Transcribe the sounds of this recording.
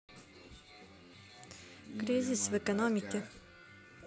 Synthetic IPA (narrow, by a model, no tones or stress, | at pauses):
kɾʲizʲisvɛkɐnomʲikʲɛ